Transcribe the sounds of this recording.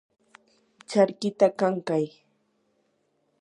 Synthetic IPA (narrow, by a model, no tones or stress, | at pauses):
t͡ʃaɾkɪt̪akaŋkaj